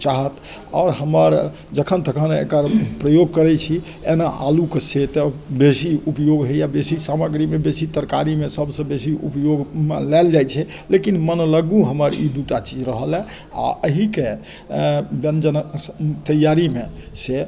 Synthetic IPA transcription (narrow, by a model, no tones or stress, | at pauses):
t͡ʃaɦət̪ | ɔ̰ːɾɦəməɾ | d͡ʒəkʰənt̪əkʰənḛkəɾpɾəjoɡ̚kəɾɛt͡ʃʰi | enaʔalukeset̪əbesiupjoɡɦejabesisaməɡɾimebesit̪əɾkaɾimesəbsə̃besiṵpjoɡmelɛld͡ʒajt͡ʃʰɛ | lekinmənləɡũɦəməɾḭd̪uʈat͡ʃid͡ʒɾəɦəlɛ | a̰əɦike | bənd͡ʒənət̪əjaɾimese